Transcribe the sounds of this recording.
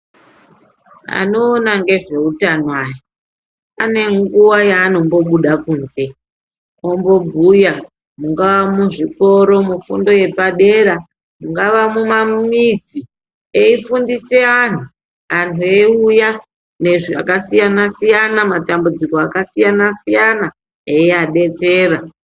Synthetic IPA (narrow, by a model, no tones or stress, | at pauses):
a̰no̞ːnaŋɡe̞ʐe̞utanowaje | ane̞ŋɡuwajaːno̞mbo̞ɓuɗakuːnze̞ | ombo̞bʱuja | muŋɡaʋamuʐiko̞ɾo̞mufṵndo̞je̞paɗe̞ɾa | muŋɡaʋamumamizi | eifundise̞an̤u | antʰue̞uja | ne̞ʐia̰kasijanasijanamatambud͡ziko̞akasijanasijana | eiaɗe̞t͡se̞ːɾa